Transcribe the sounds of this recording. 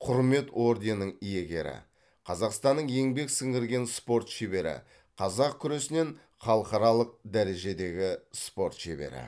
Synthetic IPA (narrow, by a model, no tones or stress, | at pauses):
qʰʊɾme̞t̪wo̞ɾd̪ʲenːəɴije̞ɡʲe̞̰ɾɪ̰ | qʰɑzɑqst̪ɑnːəɴje̞ŋbe̞ksɪŋɡʲɪɾɡʲe̞nspo̞ɾt̪ʃebe̞ɾɪ̰ | qʰɑzɑq̚kʲʰʏɾe̞sɪne̞ɴ | χɑlˠəqɑɾɑlˠəq̚d̪æɾe̞ʒe̞d̪e̞ɡʲɪspo̞ɾt̪ʃebḛɾɪ̰